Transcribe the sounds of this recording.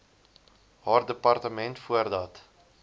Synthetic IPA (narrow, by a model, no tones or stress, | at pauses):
ɦɑːrdəpɐrtəmɛntfuərdɐt